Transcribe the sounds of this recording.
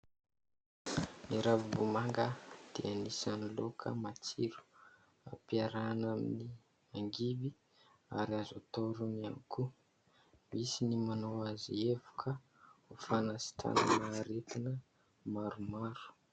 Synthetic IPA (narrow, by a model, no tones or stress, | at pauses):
niɾavubumaŋɡəd̪̥eanisanilokʰə̰mat͡siɾu̥ | a̰piaɾanamini | aŋɡibi | aɾiazot̪oɾuniankʰu | misinimanowazievu̥kʰə | ufanasi̥t̪a̰na̰naɾet̪inə | maɾumaɾu̥